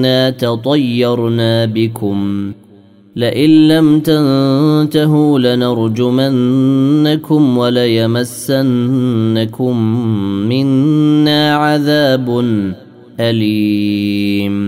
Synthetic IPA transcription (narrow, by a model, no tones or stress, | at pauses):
aːt̪ɑt̪ˤɑjːɑɾˤnaːbɪkʊm | lɪʔɪnːamt̪ant̪aɦuːlanɑɾˤd͡ʒʊmanːakʊmwalajamasːanːakʊmː | ɪnːaːʕaðaːbn | ʔaliː | m